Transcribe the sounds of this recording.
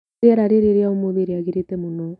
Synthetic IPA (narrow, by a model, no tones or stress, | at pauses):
iaɾaɾeɾeɾiaomoðiɾiaɣiɾitemonɔ